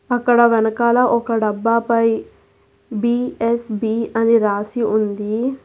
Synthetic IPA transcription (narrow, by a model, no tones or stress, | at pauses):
ɐkːɐɽɐʋɛnɐkaːlɐʔɔkɐɖɐbːaːpɐj | biːesbiːɐniɾaːsiund̪i